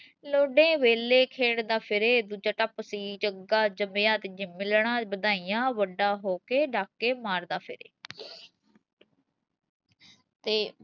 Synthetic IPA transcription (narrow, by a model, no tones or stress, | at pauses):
loːɖẽːʋeːleːkʰeːɽd̪aːpʰɪɾeːd̪uːd͡ʒaːʈəpsiːd͡ʒəɡaːd͡ʒəmejãːt̪ed͡ʒɪmɪlɳãːbəd̪aːijãːʋəɖaːɦoːkeːɖaːkːeːmaːɾd̪aːpʰɪɾḛː | t̪eː